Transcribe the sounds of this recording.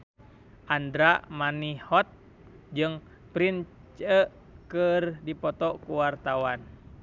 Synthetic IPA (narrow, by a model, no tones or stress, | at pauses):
ʔandɾaʔmanihɔt̪̚ | d͡ʒɨŋ | pɾin | t͡ʃə | kɨrdipɔt̪ɔkuwart̪awan